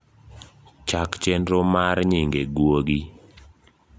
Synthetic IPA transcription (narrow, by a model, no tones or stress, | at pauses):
t͡ʃakt͡ʃendɾomaɾɲɪŋɡeɡwoɡi